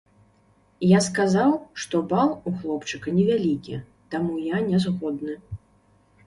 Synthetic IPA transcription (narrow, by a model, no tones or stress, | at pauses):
jaskazawʂt̪ɔbalˠuxlˠɔpt͡ʂɨkɐnʲɛvʲalʲikʲi | t̪amujanʲɛzɣɔd̪nɨ